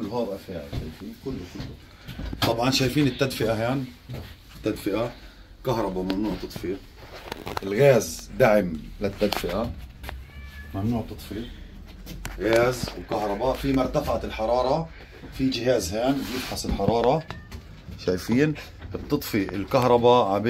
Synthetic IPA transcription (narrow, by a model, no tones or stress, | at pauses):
kʊlːhaːbʔafaːʕɪlʃaːjfiːnkʊlːkʊlː | t̪ˤɑbʕɑnʃaːjfiːnɪt̪ːad̪fɪʔaɦaːn | ɪt̪ːad̪fɪʔa | kaɦɾˤɑbamamnuːʕt̪ɑt̪ˤfiː | ʔɪlɣaːzd̪aʕɪmlɪt̪ːad̪fɪʔa | mamnuːʕt̪ɨt̪ˤfi | ɣaːzwkaɦɾˤɑbafimʊɾˤt̪afaʕaɪlħɑɾˤɑːɾˤɑ | fid͡ʒɪɦaːzhaːnbjɪbħasɪlħɑɾˤɑːɾˤɑ | ʃaːjfiːn | ʔɨt̪ˤːɨt̪ˤfiʔɪlkaɦɾˤɑbaʕab